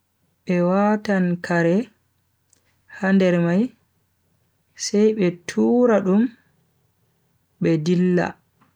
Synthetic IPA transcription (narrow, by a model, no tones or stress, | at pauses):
ɓɛwatankʰaɾɛ | handɛɾmaj | sɛjɓɛtʰuːɾaɗum | ɓɛdilːa̰